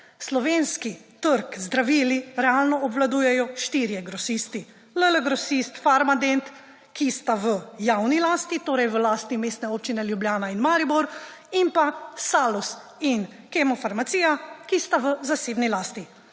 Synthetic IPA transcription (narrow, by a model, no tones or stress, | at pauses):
slɔʋeːnskit̪əɾkzd̪ɾaʋiːliɾɛaːlnɔɔbʋlad̪uːjɛjɔʃt̪iɾijɛɡɾɔsist̪i | lələɡɾɔsist̪faɾmad̪ent̪ | kist̪aʋəjawnilaːst̪it̪oːɾɛjʋəlaːst̪imeːst̪nɛoːp̚t͡ʃinɛljubljaːnainmaːɾibɔɾ | impasaːlusin | kɛmɔfaɾmat̪siːjakist̪aʋəzaseːbnilaːst̪i